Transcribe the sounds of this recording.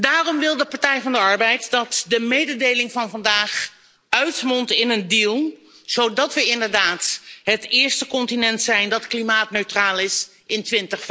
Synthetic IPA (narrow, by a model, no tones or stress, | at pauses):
daːrɔmʋɪlˠdəpɑɹtɛjvɑndəɑɹbɛjtdɑtdəmejdədejlɪŋvɑnvɑndaːχ | œɥtmɔntɪnəndilˠ | z̥owdɑtʋəɪndəɹdaːtɦətɪːɹstəkɔntinɛntsɛjndɑtklimaːtnøɥtraːlˠɪs | ɪntʋɪntəχf